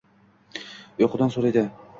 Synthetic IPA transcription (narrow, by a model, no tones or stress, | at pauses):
joqʰʊd̪ansoɾajd̪ɪ